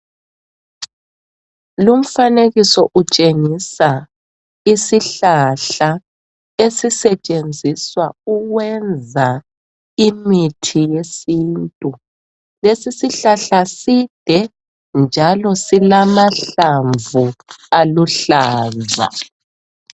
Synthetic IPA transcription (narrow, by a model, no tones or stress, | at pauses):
lum̩faneɣisɔʔut͡ʃʼeŋisa | isiɬaɬa | esisɛt͡ʃʼend͡zʱiswauɣwɛnd͡zʱa | imitʰijesintʼu | lesisiɬaɬasid̥ʱɛ | nd͡ʒʱalɔsilamaɬaɱvualuɬaːza̰